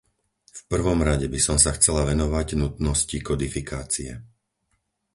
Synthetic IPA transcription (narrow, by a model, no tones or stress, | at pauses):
fpr̩ʋɔmɾaɟɛbisɔmsaxt͡sɛlaʋɛnɔʋaɟnut̪nɔscikɔd̪ifikaːt͡siɛ̰